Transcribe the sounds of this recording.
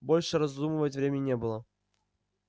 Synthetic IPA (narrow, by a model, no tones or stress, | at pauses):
bolʲʂɨɾɐzd̪umɨvətʲvɾʲemʲɪɪnʲebɨlˠə